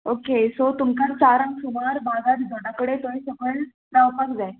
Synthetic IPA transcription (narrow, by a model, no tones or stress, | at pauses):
okesot̪umkãt͡saɾãŋksumaɾbʱaɡat̪d͡zʱoɽakəɽet̪oisəkʰəɳ | pɾawpak̚d͡zae